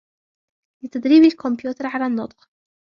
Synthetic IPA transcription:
lɪt̪ad̪ɾiːbalkʊmpjuːt̪ɑɾˤʕalaːnːʊt̪ˤq

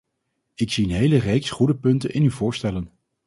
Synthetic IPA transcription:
ɪksiənɦejlərejksχudəpɵntə̰nʔɪnyvʊːɹstɛlən

